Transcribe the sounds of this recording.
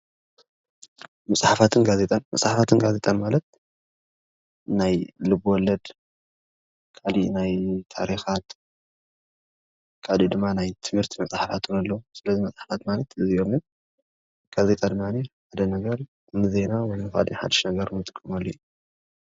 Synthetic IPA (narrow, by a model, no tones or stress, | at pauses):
mɐsʼħafat̪ʰɨnɡazet̪ʼanmɐsʼħafat̪ʰɨnɡaze̞t̪ʼanmalɐt̪̚ | najlɨbwɔlːɐd̪ | kʰalḭʔnajt̪ʰaɾixat̪ | kʰaʕlid̪ɨmːanajt̪ʰɨmhɨɾt̪ʰimɐsʼħafat̪ʰunalːɐwusɨlɐzimɐsʼħḁfat̪malɐt̪ɨziʔo̞mɨn | ɡ̥aze̞t̪ʼad̪ɨmːaniħad̪ɐnɐɡɐɾ | nɨze̞nawɔjnɨxa̰d̪ḭħa̰d̪ɨ̥ʃnɐɡɐɾnɨt̪ʼɨkʼːɨmalːɐju